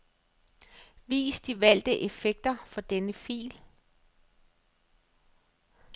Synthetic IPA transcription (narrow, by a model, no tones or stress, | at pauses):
ʋḭːsd̥iʋæl̰d̥əʔe̝feɡ̥̚d̥ɐfɒ̽d̥enəfḭːl